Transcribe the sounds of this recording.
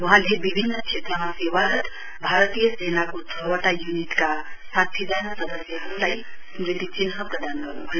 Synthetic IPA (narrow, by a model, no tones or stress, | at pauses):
ʋəɦãlebibʱinːəkt͡ʃʰet̪ɾəmãseʋaɾət̪ | bʱaɾət̪ijəsenakot̪ʰəʋəʈajuniʈkasat̪ʰːid͡ʒanəsəd̪əsjəɦəmlai | mɾit̪it͡ʃinɦəpɾəd̪ankə̰ɾṵɦə